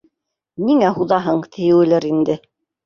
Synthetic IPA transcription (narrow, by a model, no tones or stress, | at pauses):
niŋæɦuðɑɦɤɴt̪ʰɘ̆jɘ̆wɘ̆læɾind̪ɘ